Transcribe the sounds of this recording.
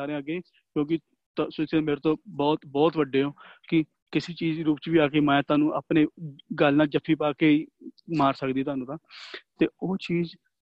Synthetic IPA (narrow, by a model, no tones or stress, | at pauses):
aːɾẽːaɡeiː | kjõːk̬ɪ | t̪ːsʊsẽmeːɾet̪õːbɔːt̪bɔːt̪ʋəɖeːɦõːkɪ | kɪseːt͡ʃiːzɾuːpt͡ʃʋiːaːkeːmɛ̃ːt̪ʊaːnũːʔa̰ːpneːɡəlnãːd͡ʒəpʰːiːpaːkeːiːmaːɾsəkd̪iːt̪ʊaːnũːt̪ãːt̪eːoːt͡ʃiːz